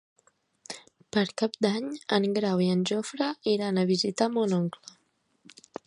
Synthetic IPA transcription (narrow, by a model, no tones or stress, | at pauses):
pəɾkap̚d̪aɲəŋɡɾawiənʲʒofɾəiɾanəβ̞izit̪amonɔŋklə